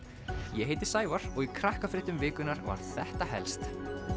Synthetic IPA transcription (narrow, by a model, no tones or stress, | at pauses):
jɛɦejt̪ɪ̥saːjvaɾ̥ɔɣikʰɾahkafɾɪht̪ʏmvɪːkʏnaɾva̰ɾðθɛht̪aɦɛ̰lst̪